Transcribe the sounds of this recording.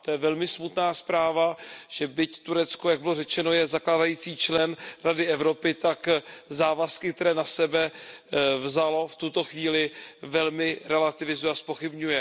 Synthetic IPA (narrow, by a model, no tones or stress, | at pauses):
t̪ojɛvɛlmɪsmut̪naːspɾaːvaʒ̥ɛbɪct̪uɾɛt͡skojaɡ̚bɪlo̞rɛt͡ʃɛno̞jɛzaklaːdajiːt͡siːt͡ʃlɛnɾadɪɛvɾo̞pɪt̪akzaːvaskɪkt̪ɛɾɛːnasɛbɛ | vzalo̞ft̪ut̪o̞xviːlɪvɛlmɪɾɛlat̪ɪvɪzujɛaspo̞xɪbɲujɛ